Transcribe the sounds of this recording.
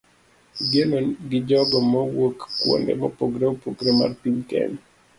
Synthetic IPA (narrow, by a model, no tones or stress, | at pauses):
ɡjenonɡɪd͡ʒɔɡɔmɔwokːwo̰ndɛ̰mɔpoɡɾeopoɡɾema̰rpiɲkɛ̰ɲ